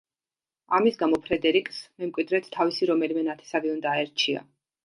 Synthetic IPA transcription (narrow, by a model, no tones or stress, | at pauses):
a̰misɡamɔpʰɾɛd̪ɛɾikʼsmɛmkʼwid̪ɾɛt̪ʰːavisiɾɔmɛlimɛnat̪ʰɛ̥saviund̪aːɛɾt͡ʃʰia̰